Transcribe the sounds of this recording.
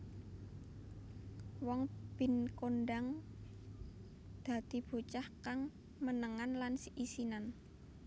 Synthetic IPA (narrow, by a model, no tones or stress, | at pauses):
wɔŋb̥i̤nkonɖaŋ | d̪̥ä̤d̪̥i̤b̥o̤t͡ʃahkaŋ | mənəŋanlansiʔisinan